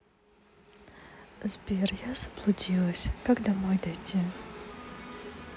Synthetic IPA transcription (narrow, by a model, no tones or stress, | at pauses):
zbʲerjaz̥ə̥blˠʊdʲilˠəsʲkaɡd̪amojd̪ɐjtʲʰi